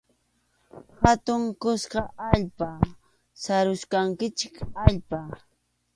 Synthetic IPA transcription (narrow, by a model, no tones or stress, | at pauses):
hat̪ʊŋkʊskɑʔaʎpa | saɾʊʃkaŋkɪt͡ʃɪkaʎpa